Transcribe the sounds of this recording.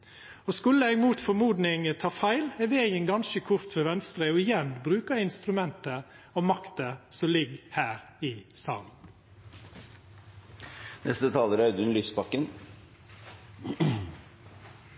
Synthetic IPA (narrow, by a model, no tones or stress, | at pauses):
ɔskʉlːəɛɡmuːt̪fɔmuːd̪nɪŋət̪ʰɑːfæɪlɛʋeːjənɡɑnʃəkʰʊɾt̪fœʋɛnst̪ɾəɔɪjɛnbɾʉːkəɪnst̪ɾʉmɛnt̪ə | ɔmɑkt̪əsɔmlɪɡhæːɾ | ɪsɑ̰ːln | nɛ̰st̪ət̪ʰɑːləɾɑʉd̪ʉnlyːsbɑkːən